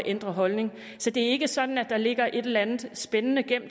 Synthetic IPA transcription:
ʔend̥ʁɐɦɒ̽lne̝ŋ | sɒ̽d̥e̝æɐe̝ɡ̥əsɒ̽d̥n̩æd̥ɑ̈le̝ɡ̥ɐʔe̝d̥elænð̩ˠsb̥enənəɡ̥em̰

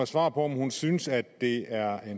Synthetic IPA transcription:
æsʋɑ̰̈ːpʰɒ̽ɒmhunsynəsæd̥ːe̝æɐen

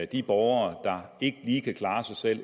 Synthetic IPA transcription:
æd̥ib̥ɒʊɐːd̥ɑ̈e̝ɡ̥əliːkʰækʰlɑ̈ːsɑ̈ɪsel̰

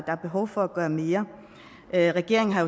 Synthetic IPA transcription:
d̥ɑæɐb̥e̝ɦɒ̽ʊ̰fɒ̽æɡ̥ɶːɐme̝ːɐ | ʔʁɛɡ̥e̝ɐ̰e̝ŋ̩ɦɑ̈jo

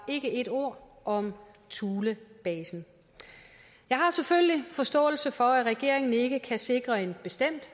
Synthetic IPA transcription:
e̝ɡ̥əe̝d̥o̝ɐ̰ | ɒ̽m | t͡sʰuːləb̥ɛːsn̩ | jɑ̈ɪɦɑ̈seføllifɒ̽sd̥ɔ̰̽ːl̩səfɒ̽æʁɛɡ̥e̝ɐ̰e̝ŋn̩e̝ɡ̥əkʰæse̝ɡ̥ʁɐe̝nb̥e̝sd̥em̰d̥

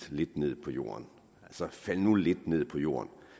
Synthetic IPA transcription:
le̝d̥ne̝ð̞̰ˠpʰɒ̽jo̝̰ːɐn | ælsəfæl̰nule̝d̥ne̝ð̞̰ˠpʰɒ̽jo̝̰ːɐn

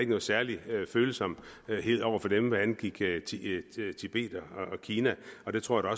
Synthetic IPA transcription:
eɡ̥ənɔ̽ð̩ˠsæɐliøføːl̩sɒ̽m̰̥ɦe̝̰ːðˠɒʊ̰ɐfɒ̽d̥emʋæænɡ̥iɡ̥t͡sʰit͡sʰib̥e̝̰ːd̥ɒɒːkʰiːnæɒ̽d̥e̝t͡sʰʁo̰ɐ̰æd̥ɒ̽

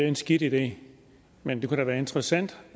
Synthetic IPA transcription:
e̝nsɡ̥id̥id̥e̝̰ː | mend̥e̝kuɾ̥æʋæːɐe̝nd̥ʁɐsæn̰d̥

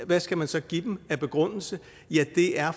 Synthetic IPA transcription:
ʋæsɡ̥æmænsɒ̽ɡ̥id̥em̩æb̥e̝ɡ̥ʁɔn̰l̩sə | jæd̥e̝æɐ

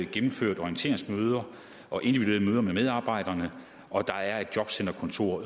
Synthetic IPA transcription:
ɡ̥emm̩føɐ̰d̥ɒijənt͡sʰe̝̰ɐ̰eŋsmøːð̞ˠɐ | ʔɒ̽ʔe̝nd̥iʋidue̝ːɐðˠmøːðˠɐmemeð̞ˠɑ̈ːb̥ɑ̈ɪ̰d̥ɐnə | ɒ̽d̥ɑ̈æɐe̝d̥d͡ʑjɒ̽b̥sen̰d̥ɐkʰɒ̽nt͡sʰo̝ɐ̰

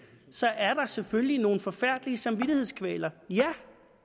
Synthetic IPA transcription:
sɒ̽ʔæɐɾ̥ɑ̈sefølino̝ːn̩fɒ̽fæɐ̰d̥liəsɑ̈mʋid̥ihe̝ð̞̰ˠskʰʋɛ̰ːlɐjæ

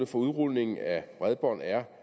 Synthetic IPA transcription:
əfɒ̽uðˠʁuðˠne̝ŋn̩æb̥ʁaðˠb̥ɒ̰næɐ

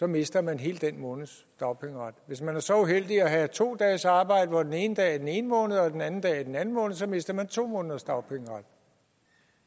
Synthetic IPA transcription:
sɒ̽me̝sd̥ɐmænɦe̝̰ːld̥en̰mɔ̽ːnð̩ˠs | d̥ɑ̈ʊpʰeŋʁɑ̈d̥ʋe̝smænæɐsɒ̽uɦel̰d̥iɒɦæt͡sʰo̝̰ːd̥ɛ̰ːsɑ̈ːb̥ɑ̈ɪ̰d̥əfɒ̽d̥ene̝ːnəd̥ɛ̰ːæd̥ene̝ːnəmɔ̽ːnð̩ˠɒ̽d̥enænn̩d̥ɛ̰ːæd̥enæn̩mɔ̽ːnð̩ˠsɒ̽me̝sd̥ɐmænt͡sʰo̝̰ːmɔ̽ːnðˠɐsd̥ɑ̈ʊpʰeŋʁɑ̈d̥

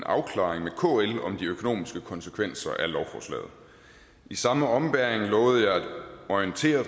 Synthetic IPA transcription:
nɑ̈ʊkʰlɑ̰̈ːeŋmekʰo̰ːelɒ̽md̥iøkʰo̝no̰ːmisɡ̥əkʰɒ̽nsəkʰʋen̰sɐʔælɒʊfɒ̰slɛ̰ːð̩ˠ | isɑ̈məɒ̽mb̥æɐeŋlɔ̽ːð̞̩ˠəjɑ̈ɪæd̥ɒiənt͡sʰe̝̰ːɐ

